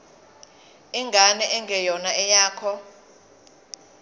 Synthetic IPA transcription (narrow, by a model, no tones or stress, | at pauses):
ɛŋɡʱanɛʔɛŋɡʱɛjɔnaɛjaːkʰɔ